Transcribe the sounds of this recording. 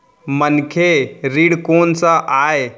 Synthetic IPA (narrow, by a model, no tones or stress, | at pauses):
mənkʰeɾiɽkoːnsaʔaːe